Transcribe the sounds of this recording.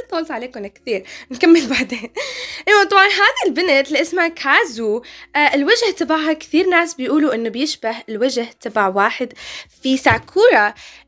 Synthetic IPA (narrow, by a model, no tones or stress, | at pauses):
t̪ːˤɑːlt̪ʕaleːkʊnɪkθiːɾnkamːɪlbaʕd̪eːnʔɪwat̪ˤɑbʕɑnɦaːðilbɪnɪt̪lʔɪsmakʰaːzuɪlwaʒht̪abaʕhakθiːɾnaːsbɪjʔuːluʔɪnːʊbɪjɪʃbahɪlwaʒht̪abaʕwaːħɪd̪fisaʕkʰuːɾˤɑ